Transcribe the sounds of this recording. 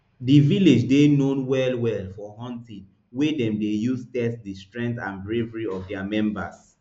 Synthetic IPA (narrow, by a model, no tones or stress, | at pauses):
diviled͡ʒdenõnwɛlwɛlfɔhɔ̃ntĩ | wedɛ̃mdejustɛsdistɹɛ̃ntãnbɹevɹiɔvdɛamɛ̃mba̰s